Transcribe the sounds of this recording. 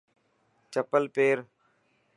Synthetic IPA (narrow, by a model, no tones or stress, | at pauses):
t͡ʃəpəlpeːɾ